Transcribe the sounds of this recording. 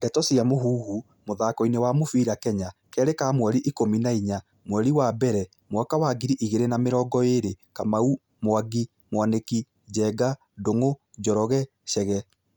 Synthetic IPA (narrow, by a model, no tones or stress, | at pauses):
dɛtɔsiamoɦuːhu | moðakɔinewamofiːɾakɛɲakɛɾekamwɛɾiʔikominaiɲa | mwɛɾiwabɛɾɛ | mwakawaɡiɾiʔiɣeɾenameɾɔːɡɔeɾekamau | moaɡi | mowaneki | d͡ʑɛɡa | doŋod͡ʒɔɾɔɣɛ | ʃɛɣɛ